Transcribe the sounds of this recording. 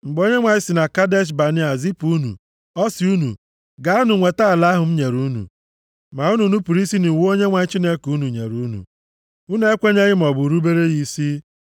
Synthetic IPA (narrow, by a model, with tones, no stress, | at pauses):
ŋ͡m̩˨ɡ͡bo˦ɲe˦ŋʷa˨ɲɪ˦sɪ˨na˨ka˦de˦ʃ̬ba˨ni˦a˨zi˦pu˦nṵ˨ | ɔ˦sɪ˨u˦nṵ˨ | ɡa˦a˦nʊ˨ŋʷe˨ta˦a˨la˦ɦʊ˨m̩˦ɲe˨ɾu˦nṵ˨ | ma˨u˦nu˨nu˦pu˨ɾi˦si˦ni˨˦o˦ɲe˦ŋʷa˨ɲɪ˦t͡ʃi˦ne˦ku˦nu˨ɲḛ˨ɾu˦nṵ˨ | u˦n˦e˦kʷe˦ɲe˦ɣɪ˦m̩˨ɔ˨bʊ˨ɾu˦be˦ɾe˦ɣi˦si˦